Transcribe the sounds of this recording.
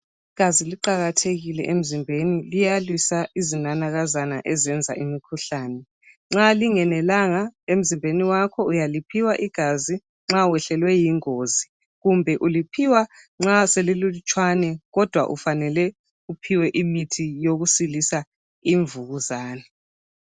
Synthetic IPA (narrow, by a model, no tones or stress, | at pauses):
iɡ̥ʱaziliǃaɣatʰeɣilɛ̰ʔem̩zimbʱenilijalwisaizinanaɣazanaʔɛzɛnd͡zʱa̰ʔimikʰuɬaːnɛ | ŋ͡ǁaliŋɛnɛlaŋaem̩zimbʱeniwakʰɔujalipʰiwaʔiɡ̥ʱazi | ŋ͡ǁawɛɬɛlwɛjiŋoːzi | ɣumbʱɛʔulipʰiwa | ŋ͡ǁasɛlilulut͡ʃʼwanɛɣɔd̥ʱwa̰ʔṵfanɛlɛ | upʰiwɛʔimitʰijoɣusilisa | iɱvuɣuzaːnɛ